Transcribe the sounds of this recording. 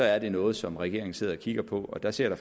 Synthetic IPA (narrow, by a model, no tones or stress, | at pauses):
ɒ̽æɐd̥e̝nɔ̽ːð̞̩ˠsɒ̽mʁɛɡ̥e̝ɐ̰eŋ̩se̝ð̰ˠɒkʰiɡ̥ɐpʰɒ̽ɒ̽d̥æse̝ɐ̰ɾ̥f